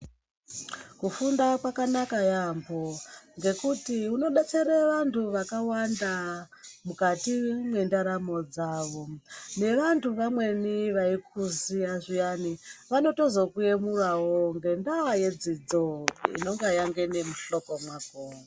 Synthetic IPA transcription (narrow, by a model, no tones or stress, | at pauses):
kufundakwakanakajamboŋɡe̞kutiuno̞ɗet͡seɾeʋantʰuʋakawanda | mukatimwendaɾamo̞d͡zaːʋo̞ne̞ʋantʰuʋamwe̞niʋaikuziaʐijaniʋano̞to̞zo̞kuje̞murawoŋɡe̞ndawaje̞d͡zid͡zoḭno̞ŋɡajaŋɡe̞ne̞muɬo̞ko̞mwaɡʱoːma